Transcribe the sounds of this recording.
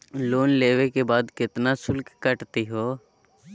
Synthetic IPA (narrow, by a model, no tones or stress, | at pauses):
loːnleːwekebaːd̪kɪt̪nasʊlkːəʈt̪iɦoː